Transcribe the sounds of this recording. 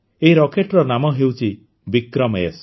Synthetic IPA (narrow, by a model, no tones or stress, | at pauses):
eiɾɔkeʈɾɔnamɔɦewt͡ʃʰi | bikɾɔmes